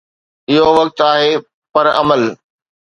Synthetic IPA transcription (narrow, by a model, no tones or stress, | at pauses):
ɪɦoʋɐk̚t̪aːɦeː | pɐɾɐ̰məl